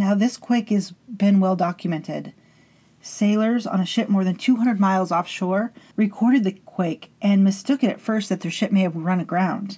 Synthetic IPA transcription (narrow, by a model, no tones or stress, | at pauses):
naʊðɪskʰw̥ɪɪkɨzbɨ̃nwɛlˠdɑkjmɛ̃ntɪd̥ | seɪlˠə˞z̃nɨʃɪʔ̚mɔɹðɨ̃ntʰʉɦʌ̃ndɹəd̚maɪlˠzɔfʃɔɹɹɨkʰɔɹɾɨd̪̚ðɨkʰw̥eɪkʔɨ̃nmɨstʊkɨɾɨ̰tfɜ˞st̪̚ðɨt̪̚ðə˞ʃɪp̚meɪɨvɹʌ̃nɨɡɹãʊ̃nd̥